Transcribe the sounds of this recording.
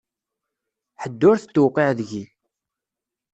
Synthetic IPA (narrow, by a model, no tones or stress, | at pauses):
ħəd̪ːʊɾθət̪ːuwqːeʕðʝi